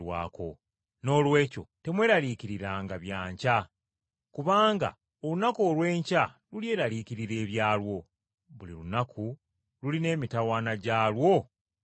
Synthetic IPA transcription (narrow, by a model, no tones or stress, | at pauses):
wa̰ːko̞ | no̞ːlwe̞ːco̞̰te̞mwe̞ːɾaliːkiɾiɾaːŋɡaβjaːɲca | kuβaːŋɡa̰ | o̞lunakoːlwe̞ːɲcalulje̞ːɾaliːkiɾiɾe̞ːβjaːlwo̞ | βulḭɾunakʰu | luline̞ːmitawaːnaɟaːlwo̞